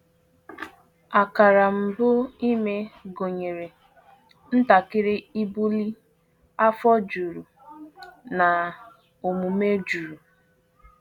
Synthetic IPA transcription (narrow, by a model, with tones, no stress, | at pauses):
a˨ka˨ɾa˨m̩˨bʊ˦i˦me˦ɡo˨ɲe˨ɾe˨ | n̩˦ta˨kɪ˦ɾɪ˦i˦bu˦li˦ | a˦fɔ˦d͡ʒu˨ɾu˨ | na˨ | o˨mu˨me˦d͡ʒu˨ɾu˨